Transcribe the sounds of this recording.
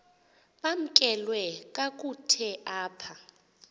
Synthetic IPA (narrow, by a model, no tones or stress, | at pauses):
ɓam̩kʼɛlwɛk̬ʼak̬ʼutʰɛʔaːpʰa